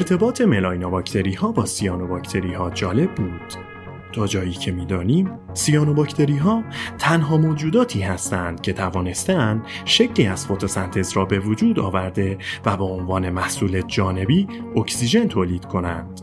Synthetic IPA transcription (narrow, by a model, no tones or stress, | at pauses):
eɾt̪ʰe̞bɒːt̪ʰe̞me̞lɒːjnobɒcʰt̪ʰe̞ɾiːhɒːbɒːsijɒːnobɒcʰt̪ʰe̞ɾiːhɒːd͡ʒɒːle̞bːuːd̪̥ | t̪ʰɒːd͡ʒɒːjiːcʰe̞miːd̪ɒːniːm | sijɒːnobɒcʰt̪ʰe̞ɾiɦɒːt̪ʰænɦɒːmoːd͡ʒuːd̪ɒːt̪ʰiːɦæst̪ænd̪̥cʰe̞t̪ʰævɒːne̞st̪eænd̪ | ʃe̞cʰliːæz̥fot̪ʰosænt̪ʰe̞zɾɒːbe̞vod͡ʒuːd̪ɒ̰ːvæɾd̪e̞væbeonvɒːne̞mæhsuːle̞d͡ʒɒːne̞biːokcsiʒe̞nt̪ʰoːliːd̪̥kʰo̞næ̰nd̪̥